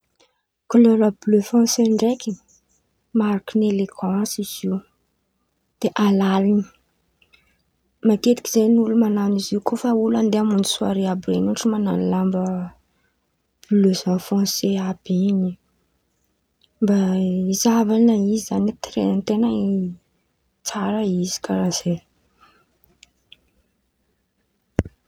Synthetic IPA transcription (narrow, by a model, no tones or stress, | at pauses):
kololəbløfɔ̃seɳɖ͡ʐeki | maɾakineleɡɑ̃siz̥iw | d̪̥eʔalalini̥ | maket̪i̥kiz̥ajnulumananiziukofauland̪eamund̪i̥sua̰ɾeabɾenuʈ͡ʂimana̰nilambə | lezafõnseab̥ini | mbaizavanaizizanit̪ɾḛnt̪enəi | t͡saɾəizi̥kaɾaz̥e